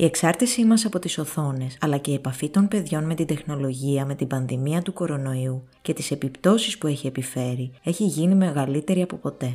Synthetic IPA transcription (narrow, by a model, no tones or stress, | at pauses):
ie̞ksɐɾt̪isimɐsɐpo̞t̪iso̞θo̞ne̞sɐlɐce̞iepɐfit̪o̞npe̞ðʝo̞nme̞t̪ind̪e̞xno̞lo̞ʝiɐme̞t̪ibɐnðimiɐt̪uko̞ɾo̞no̞iu | ce̞t̪ise̞pipt̪o̞sispue̞çie̞pife̞ɾie̞çiʝinime̞ɣɐlit̪e̞ɾiɐpo̞po̞t̪e̞